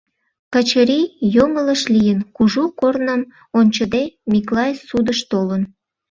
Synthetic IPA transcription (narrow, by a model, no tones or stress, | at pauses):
kət͡ɕəɾijomələʃlijənkuʒukornəm | onʲt͡ɕəd̪emʲiklɑjesud̪əʃt̪olən